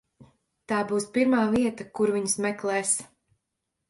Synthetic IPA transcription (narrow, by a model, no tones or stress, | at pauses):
t̪aːbuːspiɾmaːviɛt̪akuɾviɲsmɛklˠɛːs